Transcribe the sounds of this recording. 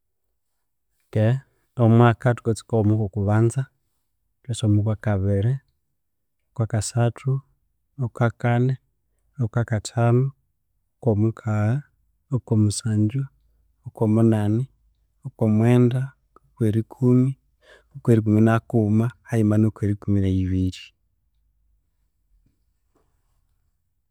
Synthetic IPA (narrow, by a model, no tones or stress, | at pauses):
ke | omwakatu̥kot͡si̥komukokuβanza | tesomukwakaβeɾe | okwakasatʰu | okwakane | okwakatʰamu | okomukʰaa | okomusaːɲd͡ʒa | okomunani | okwomweːnda | okweɾikʰumi | okweɾik̬uminakumahaimanokweɾikuminaiβiɾi